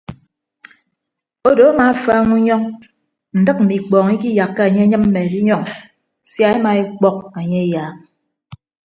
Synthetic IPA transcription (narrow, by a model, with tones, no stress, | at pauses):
o˦do˨a˦ma˨˦˨faː˦ŋu˦ɲɔ˦ŋ | n̩˨dɨ˦k̚m̩˨mi˨k͡pɔː˨ŋi˦k̬i˦ja˨kːa˦a˨ɲe˦ɲɨ˦mm̩˦me˨di˦ɲɔ˦ŋ | sja˦e˦ma˨e˦k͡pɔ˦k̚a˨ɲe˦jaː˨˦k̚